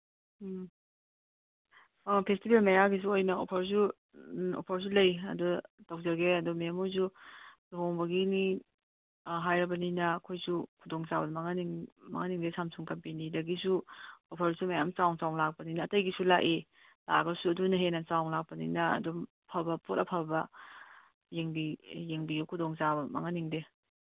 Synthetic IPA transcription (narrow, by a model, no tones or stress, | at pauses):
pʰestibelmɐjaɡis̬uojnɐopʰɐɾs̬u | o̰pʰɐɾs̬ulɐjɐdutɐwzɐɡeɐdumemuz̬udoɦoŋbɐɡini | ɦajɾɐbɐninɐːkʰojsukʰudoŋt͡ʃabɐmɐŋaniŋmɐ̰ŋaniŋdesʰamsʰuŋkɐmpinidɐɡisuopʰɐɾsumɐjamt͡ʃawŋt͡ʃawlak̚pɐninɐːtɐjɡisulaʔe | la̰ɡɐsuɐdunɐɦenɐt͡ʃawŋlak̚pɐninɐɐ̰du | pʰɐbɐpʰotɐpʰɐɾbɐ | jeŋbijeŋbiɡikʰudɔŋzabɐma̰ŋaniŋde